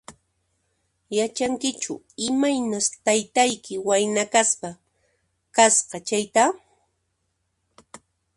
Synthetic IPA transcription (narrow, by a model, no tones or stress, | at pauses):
jat͡ʃaŋkɪt͡ʃʊ̰ | ɪmajnast̪ajt̪ajkɪwajnakaspa | kasqɑt͡ʃajt̪a